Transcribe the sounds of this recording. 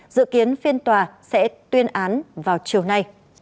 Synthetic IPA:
zɨ̰˧˨ki˨˦ənfi˧ənt̪waː˨˩sɛ̰˧˥t̪wi˧ənʔaː˨˦nvaː˨˩wt͡ɕi˨˩əwna˧j

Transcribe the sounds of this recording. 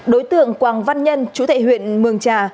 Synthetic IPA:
ɗo˨˦jt̪ɨ̰˧˨əŋkwaː˨˩ŋva˧nɲə˧nt͡ɕu˨˦t̪ʰḛ˧˨jhwḭ˧˨ənmɨ˨˩əŋt͡ɕaː˨˩

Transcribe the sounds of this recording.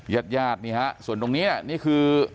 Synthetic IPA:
ja˨˩t̪̚jaː˧˩t̪̚niː˧˩a˦˥ʔsu˨˩ənt̪o˧ŋniː˦˥ni˧˩niː˥˩kʰɯː˧

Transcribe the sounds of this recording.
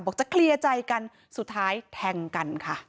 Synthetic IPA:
bɔː˨˩k̚t͡ɕa˨˩kʰli˧ət͡ɕa˧jka˧n | su˨˩t̪ʰːaː˦˥jt̪ʰɛː˧ŋka˧nkʰa˥˩

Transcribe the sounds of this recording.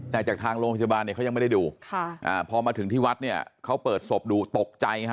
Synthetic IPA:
t̪ɛː˨˩kt͡ɕaː˨˩kt̪ʰaː˧ŋɾoː˧ŋp̪̚ʰja˧baː˧ni˥˩kʰa˦˥ja˧ma˥˩da˥˩duː˧kʰa˥˩ʔa̰ː˨˩pʰɔː˧maː˧t̪ʰɯ˩˦ŋt̪ʰiː˥˩wa˦˥t̪̚ni˥˩ɐkʰa˦˥wpɤː˨˩t̪̚so˨˩p̚duː˧t̪o˨˩k̚t͡ɕa˧jkʰ

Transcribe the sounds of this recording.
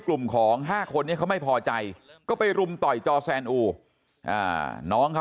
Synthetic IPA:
klu˨˩mkʰɔː˩˦ŋɦaː˥˩kʰo˧nːi˥˩ɐkʰa˥wma˥˩jpʰɔː˧t͡ɕa˧jkɔː˥˩pa˧jɾu˧mt̪ɔ˨˩jt͡ɕɔː˧sɛː˧nʔuː˧˩ | ʔa̰ː˧˩nɔː˦˥ŋkʰa˦˥

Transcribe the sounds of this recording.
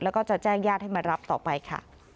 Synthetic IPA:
lɛː˦˥wkɔː˥˩t͡ɕa˨˩t͡ɕɛː˥˩ŋjaː˥˩t̪̚ha˥˩jma˧ɾa˦˥p̚t̪ɔː˨˩pa˧jkʰa̰˥˩

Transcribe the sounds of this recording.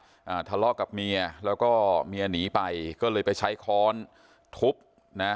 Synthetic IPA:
ʔaː˨˩t̪ʰa˧lɔː˥˩ka˨˩p̚mi˧ɐlɛː˦˥wkɔː˥˩mi˧ɐ˧niː˩˦pa˧jkɔː˥˩lɤː˧jpa˧jt͡ɕʰa˦˥jkʰɔː˦˥n | t̪ʰu˦˥p̚ | na˦˥

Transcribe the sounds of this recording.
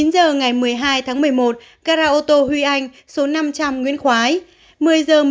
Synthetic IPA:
i˨˦nzəː˨˩ŋa˨˩jmɨ˨˩əjɦaː˧jt̪ʰaː˨˦ŋmɨ˨˩əjmo˨˩t̚ | kaː˧ɾaː˧ʔo˧t̪o˧hwi˧ʔa˧jŋ̟ | so˨˦na˧mt͡ɕa˧mŋwḭ˧˥ənxwaː˨˦j | mɨ˨˩əjzəː˨˩m

